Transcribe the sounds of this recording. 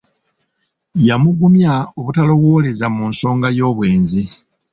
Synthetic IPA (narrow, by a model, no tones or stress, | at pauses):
jamuɡumjaoβutalo̞βwole̞zamuːnso̞ːŋɡajo̞ːβwe̞ːnzi